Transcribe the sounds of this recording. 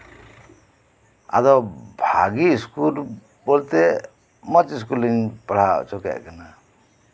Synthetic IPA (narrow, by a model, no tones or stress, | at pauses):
a̰d̪ɔbʱa̰ɡiskul | bɔlt̪ɛ | mət͡ʃis̬kuliŋpaɽ̤a̰t͡ʃɔkɛ̰ʔkana